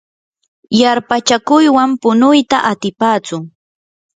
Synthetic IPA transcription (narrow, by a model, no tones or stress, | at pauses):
jaɾpat͡ʃakʊjwampʊnʊjt̪aʔat̪ɪpaːt͡sʊŋ